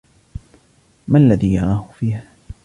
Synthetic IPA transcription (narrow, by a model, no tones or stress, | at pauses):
malːaðiːjaɾˤaːhʊfiːh